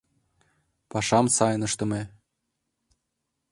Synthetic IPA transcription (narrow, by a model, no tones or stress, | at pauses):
pɑʃɑmsɑjnɤʃt̪ɤ̆me